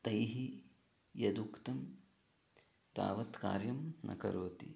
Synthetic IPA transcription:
t̪ɐjɦi | jɐd̪ukt̪ɐm | t̪a̰ːʋɐt̪ka̰ːɾjɐmnɐ̰kɐ̰ɾoːt̪ḭ

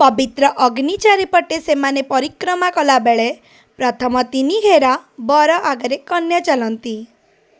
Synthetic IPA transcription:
pɔbit̪ɾɔʔɔɡnit͡ʃaɾipɔʈesemanepɔɾikɾɔmakɔlabeɭe | pɾɔt̪ʰɔmɔt̪iniɡʱeɾabɔɾɔʔaɡɔɾekɔnjat͡ʃalɔnt̪i

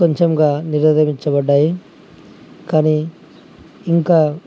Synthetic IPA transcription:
oɲt͡ʃemɡaːniɾɐd̪ɐʋiɲt͡ʃɐbɐɖːaːji | kaːniː | iŋkaː

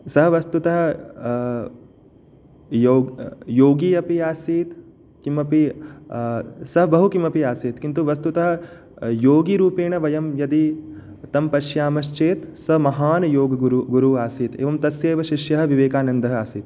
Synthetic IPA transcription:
sɐɦɐ̆ʋɐst̪ut̪ɐɦɐ̆ | joːjoːɡiːɐpiaːsiːt̪ | kimɐpi | sɐɦɐbɐɦukimɐpiaːseːt̪kint̪uʋɐst̪ut̪ɐɦɐ̆ | joːɡiɾuːpeːɳɐʋɐjɐmjɐd̪i | t̪ɐmpɐʃjaːmɐʃt͡ʃeːt̪sɐmɐɦaːnɐjoːɡɐuɾuɡuɾuaːsiːt̪ḛːʋɐmt̪ɐsjeːʋɐʃiʃjɐɦɐ̆ʋiʋeːkaːnɐnd̪ɐɦɐaːsiːt̪̚

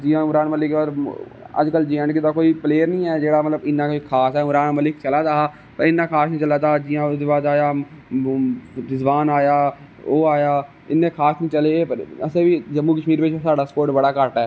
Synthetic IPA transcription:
d͡ʒiːãːʊɾaːnməlɪkaɾə̰d͡ʒkəld͡ʒeə̃ɳɖkɪd̪aːkoːipleːəɾnĩːɛːd͡ʒeːɽaːmət̪ləbɪnːãːkoikʰaːsɛːʊɾaːnməlɪkt͡ʃəlaːd̪aːa | pəɾɪnːãːkʰaːsnĩːt͡ʃəlaːd̪aːd͡ʒiːãːd̪eːbaːd̪aːjaː | ɾɪzbaːnaːjaː | oːaːjaː | ɪnːẽːkʰaːsnĩːt͡ʃəlepəɾəsẽːʋiːd͡ʒəmːuːkəʃmiːɾpet͡ʃʰːsaːɖaːskoːɾʈbəɽaːkəʈɛː

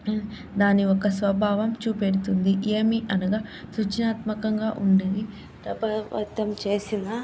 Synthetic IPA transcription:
d̪aːniɔkɐsʋɐbʱaːʋɐmt͡ʃuːpeɽut̪und̪iʔeːmiʔɐnɐɡaːsut͡ʃɐnaːt̪mɐkɐŋɡaːʔuɳɖɐni | ɐbɐʋɐ̰t̪ːɐmt͡ʃe̞ːsina

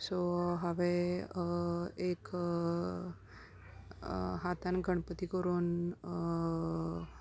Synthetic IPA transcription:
soɦaʋe | ek | ɦat̪anɡʱəɳpət̪ikəɾuːn

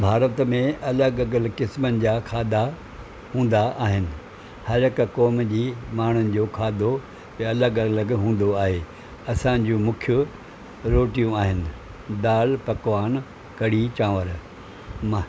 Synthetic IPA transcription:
bʱaːɾət̪mẽɐləɡɐɡəlkɪsmənɪ̆d͡ʑaːkʰaːd̪a | hũːn̆d̪aʔaːɦɪnɪ̆ | hɐɾɦɪkkɔːmd͡ʑiːmaːɳ̤ʊnɪ̆d͡ʑoːkʰaːd̪o | ɐləɡɐləɡɦũːn̆d̪oaːɦeː | ɐsãd͡ʑũːmʊ̃kʰjʊ | ɾoːʈijũaːɦɪnɪ̆ | d̪aːlpɐkʋaːn | kɐɽ̤it͡ɕãːʋəɾ | ma

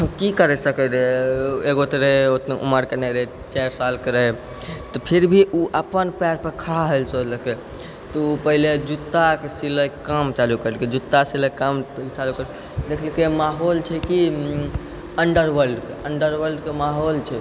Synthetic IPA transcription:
kikəɾɛsəkɛɾɛeɡot̪ɾeot̪neʔṵməɾkenɛɾə | t͡ʃaɾsalkeɾəj | t̪ɔpʰiɾbʱiʔuʔəpənpaɾpəɾkʰəɽ̤aɦolsoləke | t̪ɔupəɦiled͡ʒut̪ːakesiləkamt͡ʃalukəɾelked͡ʒut̪ːasiləkamt͡ʃalukəɾ | d̪ekʰlkemaɦolt͡ʃʰɛki | əɳɖəɾʋəlɖkeəɳɖəɾʋəɾɖkemaɦolt͡ʃʰɛ

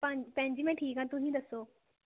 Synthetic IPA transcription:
pəd͡ʒpə̃ɲd͡ʒiːmɛ̃ːʈʰiːkãːt̪ʊsĩːd̪əsːoː

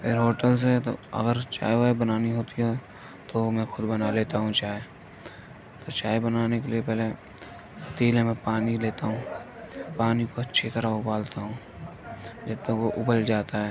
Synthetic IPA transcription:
pʰɪɾɦoːʈəls̬et̪o̰ɐ̰ɡəɾt͡ʃa̰ːeʋaːbənaːniɦoːt̪iɦɛ | t̪omɛ̃xʊd̪bɐnaleːt̪aɦũt͡ʃaːe | t̪ot͡ʃaːebənaːnekeliepɛɦle | t̪iːlẽmɛ̃paːnileːt̪aɦũːpaːnikoɐtːʃʰit̪əɾaʊbaːlt̪aɦũː | d͡ʒɛːt̪ːẽkoʔʊbəld͡ʒaːt̪aɦɛː

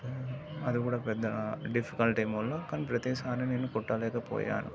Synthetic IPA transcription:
ɐd̪ukuːɽaːpɛd̪ːɐɖifʰi̥kɐlʈimulːɐkɐnpɾɐt̪iːsaːneneːnukɔʈːɐlɛːkɐpo̰ːja̰ːnṵ

